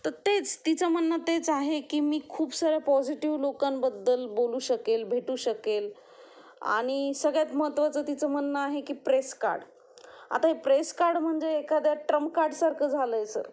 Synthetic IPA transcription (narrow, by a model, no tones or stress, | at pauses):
t̪əɾt̪et͡st̪it͡səm̤ənːət̪et͡saɦekiːmiːkʰuːbsəɡɾjapɔd͡ʑiʈiʋlokambəd̪ːəlboluːɕəkelbʱeʈuːɕəkel | a̰ɽ̃isəɡɭjat̪məɦət̪ːʋat͡səːt̪it͡səm̤ənːəaɦekiːpɾeska̰ɾɖ | a̰t̪aɦipɾeskaɾɖm̤əɳd͡zeːkad̪jaʈɾəmkaɾɖsaɾkʰəd͡zʱaləːjsə̰ɾ